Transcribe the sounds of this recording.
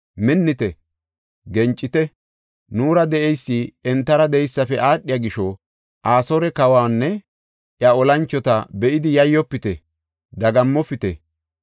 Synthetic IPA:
mɪnːɪt̪ɛ | ɡɛnt͡ʃʼːɪt̪ɛ | nuːɾɐd̪ɛʔɛjsːiɛnt̪ːɐɾɐd̪ɛjsːɐfɛʔaːɗːɪjaɡɪʃɔ | ʔaːsɔɾɛkɐwaːnːɛ | ʔjɐɔlɐnt͡ʃːɔt̪ɐbɛʔɪd̪ɪjɐjːɔpːɪt̪ɛ | d̪ɐɡɐmːɔpːɪt̪ɛ̰

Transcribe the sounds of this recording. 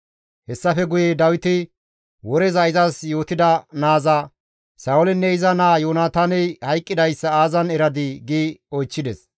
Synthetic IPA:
hɛsːɐfɛɡʊjed̪ɐwɪt̪ɪ | wɔɾɛzɐɪzɐsjo̞ːt̪ɪd̪ɐnaːzɐ | saːʊlɛnːɛɪzɐnaːjoːnaːt̪aːnɛjhɐjkʼːɪd̪ɐjsːɐaːzɐnɛɾɐd̪ɪɡiːɔjt͡ʃːɪd̪ɛs

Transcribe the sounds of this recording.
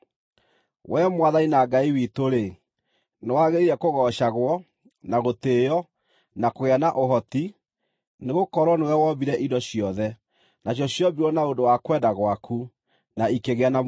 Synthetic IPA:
wɛmwaðainaɡaiwitoɾe | newaɣeiɾɛkoɣɔʃaɣwɔ | naɣotejɔ | nakoɣeanaʔoɦɔti | neɣokɔɾwɔnewɛwɔbiɾɛʔidɔɕjɔðɛ | naɕjɔɕjɔbiɾɔnaondowakwɛdaɣwakʰu | naikeɣeana

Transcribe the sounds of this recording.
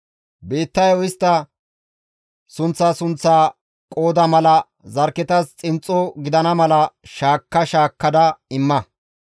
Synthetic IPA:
beːt̪ːɐjɔɪst̪ːɐ | sʊnt͡sːaːsʊnt͡sːaː | kʼo̞ːd̪ɐmɐlɐ | zɐɾkːɛt̪ɐst͡sʼɪnt͡sʼːɔɡɪd̪ɐnɐmɐlɐʃaːkːɐʃaːkːɐd̪ɐɪmːɐ

